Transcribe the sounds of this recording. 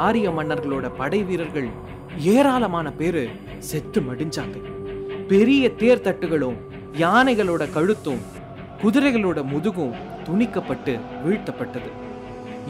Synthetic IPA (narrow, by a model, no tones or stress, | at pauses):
aːɾɪjɐmɐɳːɐɾɣɐɭoːɽɐpɐɽɐɪʋiːɾɐɾɣɐɭ | eːɾaːlɐmaːnɐpeːɾɯ | sɛt̪ːɯmɐɽɪɲd͡ʒaːŋɣɐɪpɛɾɪjɐt̪eːɾt̪ɐʈːɯɣɐɭɯ̃ | jaːnɐɪɣɐɭoːɽɐkɐɻɯt̪ːɯ̃ | kʊðʊɾɐɪɣɐɭoːɽɐmʊðɯɣɯ̃ | t̪ʊɳɪkːɐpːɐʈːɯʋiɻt̪ːɐpːɐʈːɐðɯ